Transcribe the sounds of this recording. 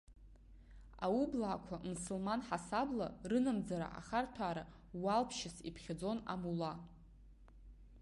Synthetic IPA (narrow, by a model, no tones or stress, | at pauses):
a̰ublaːkʷʰamusulmanħasabla̰rɨnamd͡zaɾa̰ʔa̰χartʰaːɾa | walpʰʃɪsipʰχʲad͡zo̞na̰mula